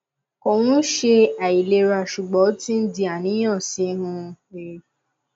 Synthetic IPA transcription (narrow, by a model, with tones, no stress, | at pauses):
ko˨w̃ũ˦ʃe˧a˨i˨le˧˦ɾa˧˨ʃu˨ɡ͡bɔ˨˦ti˦n̩˦di˧a˨nĩ˨˦j̃ɔ̃˦˨si˨˦nũ˦˧˦